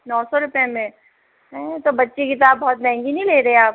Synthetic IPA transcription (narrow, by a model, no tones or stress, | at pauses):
nɔːsɔɾʊpjamẽ | t̪obɐtːʃikɪt̪̬aːbbɔːt̪̚mɛ̃ːŋɡinɐĩleːɾɐɦeaːp̚